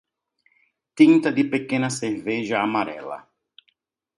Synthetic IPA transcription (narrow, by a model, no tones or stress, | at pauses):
t̪int̪ad̪ipekɛnaseɾvɛʒaːmaɾɛ̰la̰